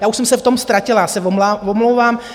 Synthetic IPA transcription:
jaːuʃsɛmsɛft̪o̞mst̪ɾacɪlajaːsɛvoavomlowvaːm

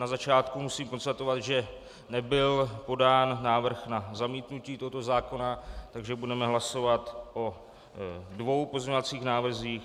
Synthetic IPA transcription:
nazat͡ʃaːt̪kumusiːmko̞nst̪at̪o̞vad̪ʒɛ | nɛbɪlpo̞daːnːaːvr̩xnazamiːt̪nuciːt̪oɦo̞t̪o̞zaːko̞nat̪aɡʒɛbudɛmɛɦlaso̞vat̪ʔo̞ | dvo̞wpo̞zɲɛovat͡siːxnaːvr̩ziːx

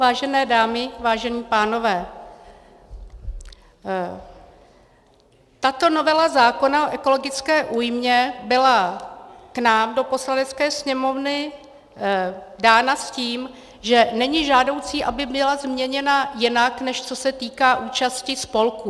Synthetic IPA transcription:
vaːʒɛnɛːdaːmɪvaːʒɛniːpaːno̞vɛː | t̪at̪o̞no̞vɛlazaːko̞naoʔɛko̞lo̞ɡɪt͡skɛːʔuːjmɲɛbɪla | knaːmdo̞po̞slanɛt͡skɛːsɲɛmo̞vnɪ | daːnasciːm | ʒɛnɛɲɪʒaːdo̞wt͡siːʔabɪbɪlazmɲɛɲɛnajɪnaknɛʃt͡so̞sɛt̪iːkaːʔuːt͡ʃascɪspo̞lku

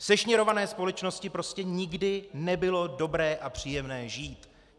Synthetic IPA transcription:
sɛʃɲɛɾo̞vanɛːspo̞lɛt͡ʃno̞scɪpɾo̞scɛɲɪɡdɪnɛbɪlo̞do̞bɾɛːʔapr̝̥iːjɛmnɛːʒiːt̪

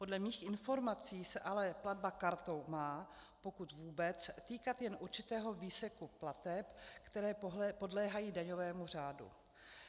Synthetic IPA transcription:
po̞dlɛmiːxʔɪnfo̞ɾmat͡siːsɛʔalɛplad̚bakaɾt̪o̞wmaː | po̞kut̪vuːbɛt͡st̪iːkat̪jɛnʔuɾt͡ʃɪt̪ɛːɦo̞viːsɛkuplat̪ɛpkt̪ɛɾɛːpo̞dlɛːɦajiːdaɲo̞vɛːmur̝aːdṵ

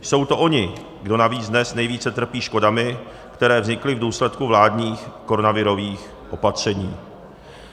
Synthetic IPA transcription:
so̞wt̪o̞ʔo̞ɲɪ | ɡdo̞naviːt͡sdnɛsnɛjviːt͡sɛt̪r̩piːʃko̞damɪ | kt̪ɛɾɛːvzɲɪklɪvduːslɛt̪kuvlaːdɲiːxko̞ɾonavɪɾo̞viːx | ʔo̞pat̪r̝̥ɛɲiː

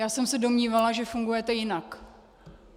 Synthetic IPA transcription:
jaːsɛmsɛdo̞mɲiːvalaʒɛfuŋɡujɛt̪ɛjɪnak

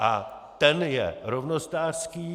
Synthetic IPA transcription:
ʔa̰ | t̪ɛnjɛ̰ɾovnost̪aːrskiː

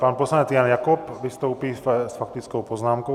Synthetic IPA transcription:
panposlaɲɛt͡sjanjakopvɪst̪owpiːsfak̚t̪ɪt͡skowpoznaːmko

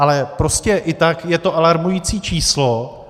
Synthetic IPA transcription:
ʔalɛpɾo̞scɛʔɪt̪akjɛt̪o̞ʔalaɾmujit͡siːt͡ʃiːslo

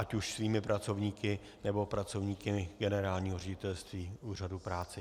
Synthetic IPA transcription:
ʔacuʃsviːmɪpɾat͡so̞vɲiːkɪ | nɛbo̞pɾat͡sovɲiːkɪɡɛnɛɾaːlɲiːɦorɛɟɪt̪ɛlst̪viːʔuːr̝adupɾaːt͡sɛ

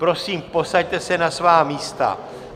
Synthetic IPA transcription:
pɾo̞siːmpo̞sact̪ɛsɛnasvaːmiːst̪a̰

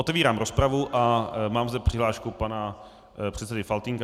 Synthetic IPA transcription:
ot̪ɛviːɾaːmɾospɾavuʔamaːmzd̪ɛpr̥ɪɦlaːʃkupana | pr̝̥ɛt̪sɛdɪfalt̪iŋka

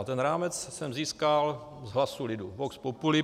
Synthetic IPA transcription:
t̪ɛnɾaːmɛt͡ssɛmziːskal | zɦlasulɪduvokspopulɪ

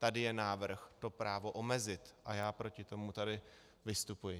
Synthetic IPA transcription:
t̪adɪjɛnaːvr̩xt̪o̞pɾaːvo̞ʔo̞mɛzɪt̪ʔajaːpɾo̞cɪt̪o̞mut̪adɪ | vɪst̪upujɪ

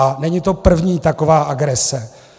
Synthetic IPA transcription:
nɛɲit̪o̞pr̩vɲiːt̪akovaːʔaɡɾɛsɛ

